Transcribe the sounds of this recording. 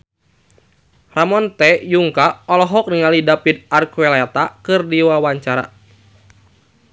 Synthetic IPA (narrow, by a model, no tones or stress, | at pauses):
ramɔnt̪ɛjuŋkaɔlɔɦɔk̚niŋalidapid̪̚arkuɛlat̪akɨrdiwawaɲt͡ʃaɾa̰